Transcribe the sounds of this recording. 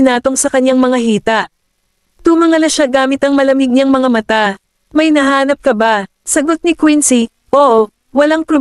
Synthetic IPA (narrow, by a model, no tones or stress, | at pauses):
ɪnaːt̪o̞ŋsɐkɐɲːaŋmɐŋahiːt̪ɐʔ | t̪ʊmɐŋɐlɐʃaɡaːmɪt̪ɐŋmɐlɐmɪɡ̚ɲɐŋmɐŋamɐt̪a | mɐjnɐɦaːnɐp̚kɐba | sɐɡot̪̚nɪkwinsi | ʔo | wɐlaŋpɾo